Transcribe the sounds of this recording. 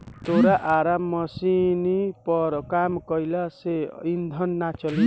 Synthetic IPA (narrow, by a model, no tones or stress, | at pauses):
t̪oɾaʔaɾamːʌsinipʌɾkamkʌjlaseind̪ʱʌnːat͡ʃʌli